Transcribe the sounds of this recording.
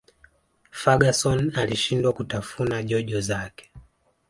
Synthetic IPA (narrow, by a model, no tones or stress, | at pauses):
faɡasɔnaliʃindwakutafunaʄɔʄɔzakɛ̥